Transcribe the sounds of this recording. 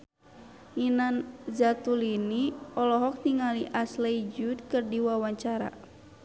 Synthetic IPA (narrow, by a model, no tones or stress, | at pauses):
ŋinanzat̪uliniɔlɔɦɔk̚niŋaliʔasled͡ʒud̪̚kɨrdiwawaɲt͡ʃaɾa̰